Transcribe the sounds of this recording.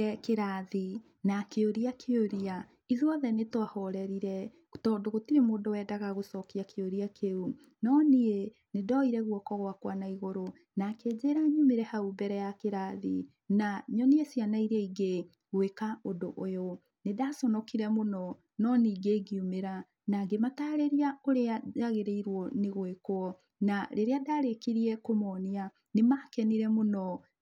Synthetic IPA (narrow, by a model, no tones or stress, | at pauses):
ɛkeɾaði | nakeoɾiakʰeoɾia | iðwɔðɛnetwahɔɾɛɾiɾɛ | tɔdoɣotiɾemoːdowɛdaɣaɣosɔkiakeoɾiakʰeu | nɔnee | nedɔiɾɛɣwɔkɔɣwakwanaiɣoɾo | nakeːd͡ʑeɾaɲumeɾɛhaubɛɾɛjakeɾaði | naɲɔneɛsjanaiɾɛiɡe | ɣwekaodoʔojo | nedaːsɔnɔkiɾɛmonɔ | nɔniɡeɡiumeɾa | naɡemataːɾeɾiaoɾeaaɣeɾeiɾwɔneɣwekwɔ | naɾeɾeadaːɾekiɾiɛkomɔːnia | nemakɛniɾɛmonɔ